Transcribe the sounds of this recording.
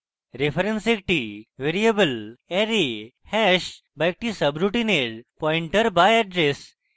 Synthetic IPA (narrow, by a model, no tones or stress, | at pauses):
ɾefəɾensek̚ʈiʋeɾiebəlɛɾe | hɛɕ | bajk̚ʈisəbɾuʈineɽpɔiɳʈəɾbajɛɖɾes